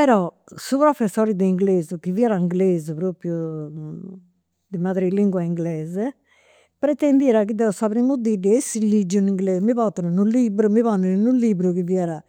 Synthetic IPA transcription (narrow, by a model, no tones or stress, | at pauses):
pɛɾɔsupɾɔfesːɔɾid̪iiŋɡlezukiviɛɾaiŋɡlezupɾopju | d̪imad̪ɾiliŋɡwaiŋɡlɛze | pɾɛt̪end̪iɾakid̪ɛosaβɾimud̪idiesilid͡ʒuniŋɡlezmipɔt̪ːənunulibɾumiβɔnənnulibɾukiviɛɾa